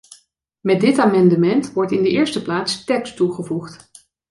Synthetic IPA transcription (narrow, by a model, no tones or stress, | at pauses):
mɛdɪtaːmɑndəmɛntʋɔɹtɪndəʔɪːɹstəplaːtstɛkstuχəvuχt